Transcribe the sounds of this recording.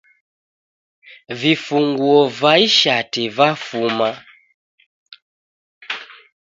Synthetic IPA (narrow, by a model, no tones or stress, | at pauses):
vifuŋɡuɔvaiʃativafuma